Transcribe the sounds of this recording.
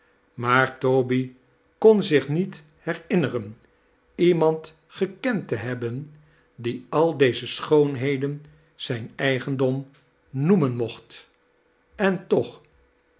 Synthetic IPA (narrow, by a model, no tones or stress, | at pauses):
maːɹtowbi | kɔnzɪχnit | hɛrɪnərən | imɑnt | χəkɛntəɦɛbən | diɑlˠdejzəsχownɦejdən | z̥ɛjnɛjχəndɔm | numənmɔχt | ɛntɔχ